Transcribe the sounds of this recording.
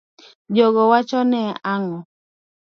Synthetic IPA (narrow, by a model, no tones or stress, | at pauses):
d͡ʒɔɡɔwat͡ʃɔnɛaŋɔ